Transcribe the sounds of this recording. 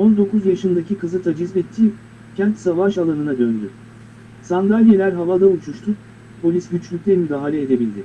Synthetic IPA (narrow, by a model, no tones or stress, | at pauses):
o̞nd̪o̞kuzjaʃɯnd̪acikʰɯzɯt̪ʰad͡ʒizmɛt̪ʰːiː | cʰænt̪savaʃalˠanɯnad̪ønd̪y | sand̪alʲjelʲæɾɦavad̪aut͡ʃʰuʃt̪ʰʊ | pʰo̞lʲisɟyt͡ʃlʲyc̚ʲlʲɛmyd̪aːɦalʲɛːd̪e̞bilʲd̪ɪ